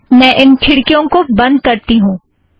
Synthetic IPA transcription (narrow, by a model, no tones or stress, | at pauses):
mɛ̃ːʔɪnkʰɪɽkijõkobɐ̃nd̪̚kɐɾt̪iɦũː